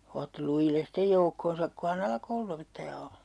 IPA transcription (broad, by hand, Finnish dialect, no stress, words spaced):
otːi lujilːes stej joukːonsɑk ko hɑn ɑlɑkoulun̞opetːɑjɑ o